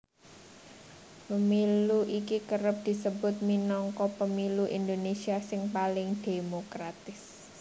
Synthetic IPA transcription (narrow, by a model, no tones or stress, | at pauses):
pəmiluʔikikəɾəp̚d̪̥i̤səbʊt̪̚minɔŋkɔpəmiluʔind̪onesiasɪŋpalɪŋd̪̥e̤mokɾat̪ɪs